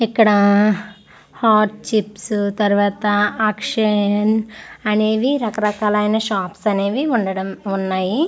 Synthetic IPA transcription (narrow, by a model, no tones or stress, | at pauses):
ikːɐɽɐ | haːʈt͡ʃipsut̪ɐɾuʋaːt̪ɐaːkʂɐnɐne̞ːʋiɾɐkɐɾɐkaːlɐjnɐʃaːpsɐne̞ːʋiuɳɖɐɽɐmunːaːji